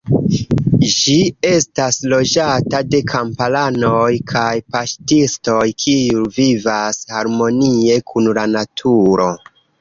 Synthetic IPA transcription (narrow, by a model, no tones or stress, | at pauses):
d͡ʒie̞staslo̞d͡ʒatade̞kʰampalanojkʰajpaʃtisto̞jkʰiulvivashaɾmo̞nie̞kʰunlanatʰuɾo̞